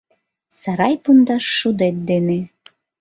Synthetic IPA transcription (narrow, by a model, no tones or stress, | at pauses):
sɑɾɑjpund̪ɑʃːud̪et̪̚d̪ene